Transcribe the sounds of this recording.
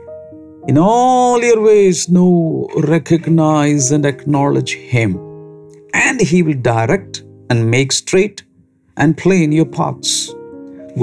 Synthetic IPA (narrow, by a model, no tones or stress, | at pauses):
ɪ̃nɔljəɾʋeːznoːɾɛkʰəɡnaɪzæ̃ɳəknɔlɪd͡ʒhɪ̃m | ʔæ̃ɳɖɦiʋɪlɖaɪɾɛk̚ʈæ̃nɖmeːksʈɾeːʈ | ʔæ̃ɳɖ̚pʰlẽnjəɾpʰa̰ʈs